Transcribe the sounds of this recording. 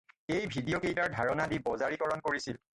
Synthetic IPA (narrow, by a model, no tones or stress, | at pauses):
ejbʱidijokejtaɹdʱaɹɔnadibɔzaɹikɔɹɔnkoɹisil